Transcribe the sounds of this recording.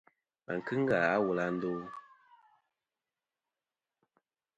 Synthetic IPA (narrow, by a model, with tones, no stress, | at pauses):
a̰˨ŋ̩˨kɨ˦ŋ̩˦ɡa˨a˦wu˨la˧n̩˦do˦